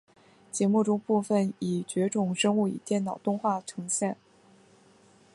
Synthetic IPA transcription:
t͡ɕjɛ˧˥mu˥˩ʈ͡ʂʊ˥ŋpu˥˧fə˥˩ni˨˩t͡ɕɥɛ˧˥ʈ͡ʂʊ˨˩ŋʂɤ˥ŋu˥˩ḭ˨˩t̪jɛ˥˩nnɑ˨˩ʊt̪ʊ˥˧ŋxwa˥˩ʈ͡ʂʰɤ˧˥ŋɕjɛ˥˩n

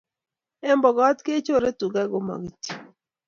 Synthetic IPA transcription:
e˦mbɔ˨ɡɔ˦tke˦t͡ʃo˦˨ɾe˦tu˨ɡa˦ɡo˦ma̰˨ɡi˨ti̥˨

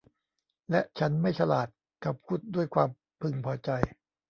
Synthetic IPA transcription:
lɛ˦˥ʔt͡ɕʰa˦˥nma˥˩jsʰa˧laː˨˩t̪̚ | ka˨˩p̚kʰuː˥˩t̪̚du˥˩əjkʰwaː˧m | pʰɯ˧ŋpʰɔː˧t͡ɕa˧j

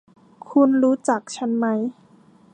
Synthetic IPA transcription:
kʰu˧nɾuː˦˥t͡ɕa˨˩k̚t͡ɕʰa˦˥nma˦˥j

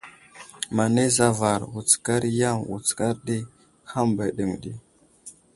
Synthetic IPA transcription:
ma˨ne˦za˦va˨ɾwu˨t͡ska˦ɾja˦ŋwṵ˨t͡ska˦ɾɗi˦ | ha˦mba˨ɗə˨ŋɗḭ˦

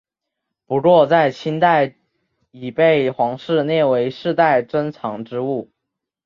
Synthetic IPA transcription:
pu˧˥kwɔ˥˧t͡sa˥˩ɪt͡ɕʰi˥nt̪a˥˩ɪ | i˨˩pe˥˩ɪxwɑ˧˥ŋʂɻ̩˥˧nje˥˩ɪwe˧˥ɪʂɻ̩˥˧t̪a˥˩ɪʈ͡ʂə˥nt͡sʰɑ˧˥ŋʈ͡ʂɻ̩˥u˥˩

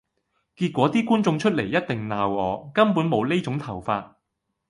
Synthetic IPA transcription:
kiː˧t̚kʷɔː˨˥t̪iː˥kuː˥nt͡sʊ˧ŋt͡ʃʰɵ˥t̚le˨˩jɐ˥t̚t̪ɪ˨ŋnaː˨wɔː˨˧kɐ˥mpuː˨˥nmo˨˧wne˥jt͡sʊ˨˥ŋt̪ʰɐ˨˩wfaː˧t̚

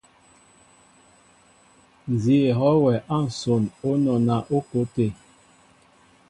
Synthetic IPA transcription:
n˨zi˦e˨ɦɔ˦wɛ˨ʔa˦˨n̩˨so˨no˦nɔ˨na˨ʔo˦ko˦te˨

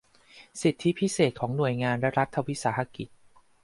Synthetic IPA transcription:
si˨˩t̪ʰːi˦˥pʰi˦˥seː˨˩t̪̚kʰɔː˩˦ŋnu˨˩əjŋaː˧nɾɛ˦˥ɾa˦˥t̪ʰːa˧wi˦˥saː˩˦ɦa˧ki˨˩t̪̚

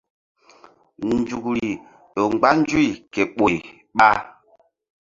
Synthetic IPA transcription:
n˨d͡ʒu˨kɾi˨ | ɗo˨ŋ͡mɡ͡ba˦nd͡ʒu˦i˨kɛ˨ɓo˨j | ɓa˦

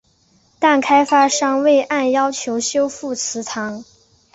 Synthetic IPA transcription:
t̪a˥˩nkʰa˥ɪfa˥ʂɑ˥ŋwe˥˩ɪʔa˥˩njɑ˥ʊt͡ɕʰjo˧˥ʊɕjo˥ʊfu˥˩t͡sʰɹ̩˧˥t̪ʰɑ˧˥ŋ

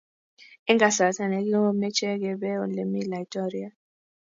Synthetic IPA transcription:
i˦ŋɡa˨sa˨tʰa˨nɛ˨˦k̬i˦ɔ˦mɛ˦t͡ʃʰɛ˦k̬ɛ˨ɓɛ˦ɔ˨le˨mi˦la˨i˨tʼɔ˦ɾi˦a˦˨

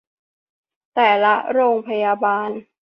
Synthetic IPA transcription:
t̪ɛː˨˩la˦˥ɾoː˧ŋpʰa˧jaː˧baː˧n

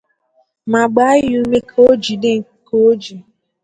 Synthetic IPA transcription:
ma˨ɡ͡ba˨˦ju˦me˦kʰo˦o˦d͡ʒi˨de˦ŋ̩˨ko˦d͡ʒi˨

